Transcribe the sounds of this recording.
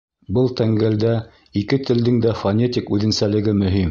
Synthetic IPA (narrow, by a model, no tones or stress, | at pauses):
bɤlˠt̪æŋɡæld̪æ | ikɘt̪ɘ̆ld̪ɘŋd̪æfɐnʲetʲikʉðɘ̆nsælɘ̆ɡɘmɵ̆ɦim